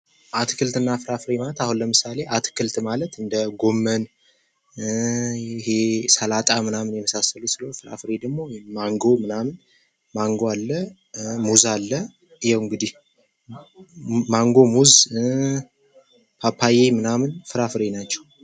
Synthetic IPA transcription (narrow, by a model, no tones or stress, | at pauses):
ʔat̪ʰkʰɨlt̪ɨnːafɨɾafɨɾe̞malət̪ahunləmɨsale̞ʔat̪ʰkʰɨlt̪malət̪ɨnd̪əɡo̞mːən | ɪhe̞səlat̪ʼamɨnamɨnjɛməsasəlusɨləfɨɾa̰fɨɾed̪əɡmo̞maŋɡo̞mɨnamɨn | maŋɡoalːə | muzalːə | jɛwɨŋɡɨd̪ih | maŋɡo̞muz | pʰapʰːajemɨnamɨnfɨɾafɨɾenat͡ʃːɛw